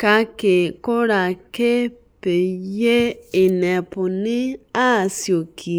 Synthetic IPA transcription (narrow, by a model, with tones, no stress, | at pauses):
ka˧ke˨ko˦ɾa˧˨ke˦ | pe˨je˦e˨nɛ̃˨pũ˨nĩ˦a˦˨si˨o˨kʰi˨